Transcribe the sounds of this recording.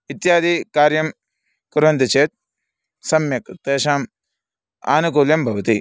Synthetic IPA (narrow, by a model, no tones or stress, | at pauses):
it̪jaːd̪ʱikaːɾjɐm | kuɾʋɐnd̪ɐt͡ʃeːt̪̚ | sɐmjɐkt̪eːʃaːm | a̰ːnukuːljɐmbʱɐʋɐt̪i